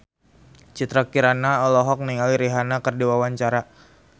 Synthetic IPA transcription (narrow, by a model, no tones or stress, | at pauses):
t͡ʃit̪ɾakiɾanaɔlɔɦɔk̚niŋaliɾiɦanakərdiwawaɲt͡ʃaɾa